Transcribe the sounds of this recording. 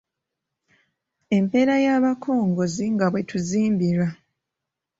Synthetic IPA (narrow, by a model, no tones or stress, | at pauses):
e̞mpe̞ɾajaːβakʰo̞ːŋɡo̞ziŋɡaβwe̞tuziːmbiɾwa